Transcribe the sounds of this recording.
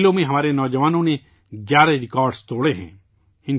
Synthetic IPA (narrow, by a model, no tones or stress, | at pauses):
lõmẽɦɐmaːɾenɔːd͡ʒəʋaːnõne | ɡjaːɾeɾɪkaːɾɖst̪oːɽeɦɛ̰̃ː | ɪ̃n